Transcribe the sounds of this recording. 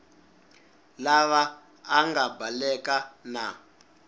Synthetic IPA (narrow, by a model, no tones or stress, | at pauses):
laβaː | ŋɡabalɛkana